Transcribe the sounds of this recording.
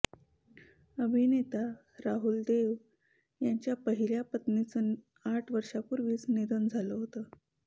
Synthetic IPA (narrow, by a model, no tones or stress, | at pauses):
əbʱinet̪a | ɾaɦuld̪eʋ | jaɲt͡ɕjapəɦiljapət̪nit͡sə | aʈʰʋəɾʂapuɾʋiːt͡sned̪ənd͡zʱaləɦot̪ə